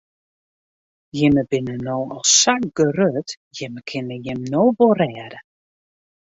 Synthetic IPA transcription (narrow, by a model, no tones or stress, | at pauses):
jɪməbɪnənowɔlˠssak̚ɡ̥ərøt | jɪməkʰɪnəjɪmnowbɔrɛːdə